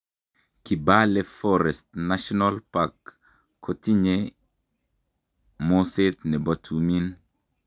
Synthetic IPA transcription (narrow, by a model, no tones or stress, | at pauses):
kibalefɔɾɛstnaʃɔnalpakːʰ | otiɲe | mosetnɛbɔtʰumin